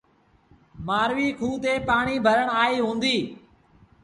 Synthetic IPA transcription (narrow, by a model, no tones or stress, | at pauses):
maːɾʋiːkʰuːt̪eːpaːɳ̃iːbʱəɾəɳaːiːɦũːnd̪iː